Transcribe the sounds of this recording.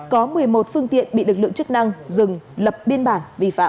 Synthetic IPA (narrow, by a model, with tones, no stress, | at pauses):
kɔ˨˦mɨ˨˩əjmo˨˩t̚fɨ˧əŋt̪ḭ˧˨ənɓḭ˧˨lɨ˨˩k̚lɨ̰˧˨ŋt͡ɕɨ˦˥k̚na˧ŋzɨ˨˩ŋlə˨˩p̚ɓi˧ənɓaː˧˩nvḭ˧˩fa̰ː˧˨